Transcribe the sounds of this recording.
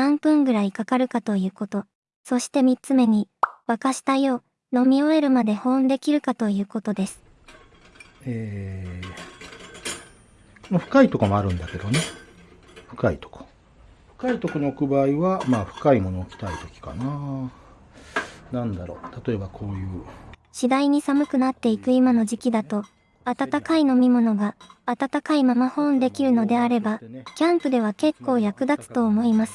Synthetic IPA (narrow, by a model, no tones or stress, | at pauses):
ãmpɯ̟̃ŋɡɯ̟ɾaikakaɾɯ̟kat̪o̞jɯ̟ːko̞t̪o̞ | so̞ɕi̥t̪e̞mʲitt͡sɨme̞ɲ̟iβakaɕi̥t̪ajo̞ː | no̞mʲio̞e̞ɾɯ̟mad̪e̞hõ̞nd̪e̞kʲiɾɯ̟kat̪o̞jɯ̟ːko̞t̪o̞d̪e̞sɨ̥ | eː | konoɸɯ̟̥kait̪o̞komoaɾɯ̟̃nd̪ake̞d̪o̞ne̞ | ɸɯ̟̥kaḭt̪o̥ko̥ | ɸɯ̟̥kait̪o̞konookɯ̟baːiβamaːɸɯ̟̥kaimo̞no̞ːkʲi̥t̪ait̪o̞kʲi̥ka̰naː | nãnd̪aɾo̞̰ːt̪at̪o̞e̞bakʰo̞ːjɯ̟ːɕid̪aiɲ̟isamɯ̟kɯ̟nat̪ːe̞ikɯ̟imano̞ʑikʲid̪at̪o̞ | at̪at̪akaino̞mʲimo̞no̞ɡaːt̪at̪akaimamahõ̞nd̪e̞kʲiɾɯ̟no̞d̪e̞aɾe̞bakʲãmpɯ̟d̪e̞β̞ake̞kːo̞ːjakɯ̟d̪at͡sɨ̥t̪o̞ːmo̞imasɨ̥